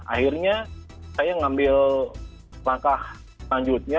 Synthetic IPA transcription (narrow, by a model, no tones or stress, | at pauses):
ʔa̰hirɲasajaŋambɪl | laŋkah | laɲd͡ʒʊt̪̚ɲa